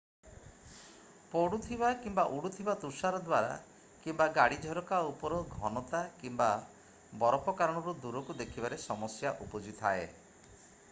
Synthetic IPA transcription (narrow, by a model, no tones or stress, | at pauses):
poɽut̪ʰibakimbaʔuɽut̪ʰibat̪usaɾɔd̪waɾa̰ | kimbaɡaɽid͡ʒʱɔɾɔkaupɔɾɔɡʱɔnɔt̪akimba | bɔɾɔpɔkaɾɔɽ̃ɔɾud̪uɾɔkud̪ekʰibaɾesɔmɔsjaʔupɔd͡ʒit̪ʰa̰e